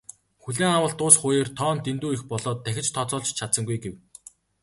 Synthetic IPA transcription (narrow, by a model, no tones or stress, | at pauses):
xuɮeːŋawə̆ɬt̪ʊːsχʊːjeːrt̪ʰɔːnt̪ent̪uːixpɔɮɔːt̪ːæxʲɪ̆t͡ɕt̪ʰɔt͡sɔːɮt͡ɕt͡ɕʰat̪sə̆ŋɡujɡew